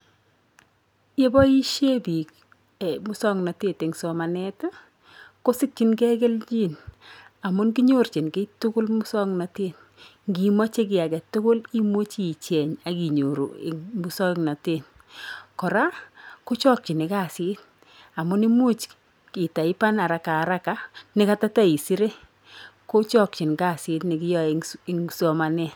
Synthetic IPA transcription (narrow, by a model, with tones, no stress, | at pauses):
je˦bɔ˦i˦ʃje˦bi˨k̚ | mʊ˦sɔ˦ŋna˨te˦˨te˨ŋsɔ˨ma˨nɛ˦ta˦ | ko˦si˦kt͡ʃi˨nkɛ˦k̬e˦lt͡ʃi˦na˨mʊ˦nki˦ɲo˦˨rt͡ʃi˨nke˦tʊ˦kʊ˦lmu˦sɔ˦ŋna˨te˦n | ŋɡi˨mɔ˦t͡ʃe˦k̬ɪ˨a˨kɛ˨tʊ˦kʊ˦li˦mo˦t͡ʃi˨t͡ʃɛ˨ɲa˨ki˨ɲo˨ɾṵ˨ɪ̰˨mu˦sɔ˦ŋna˨te˦n | kɔ˨ɾa˦ko˦t͡ʃɔ˦k̚t͡ʃi˨nɪ˨ka˦˨si˦t̚ | a˨mʊ˦ni˦mu˦t͡ʃ | ki˨ta˨i˦pa˦na˨ɾa˨kaː˨ɾa˦ka˦nɪ˦ka˦ta˦ta˦i˨si˦ɾe˦ | ko˦t͡ʃɔ˦k̚t͡ʃɪ˨nka˦˨sɪ˦tnɪ˨kɪ˦jɔ˦iŋsɔ˨ma˨nɛ˦˨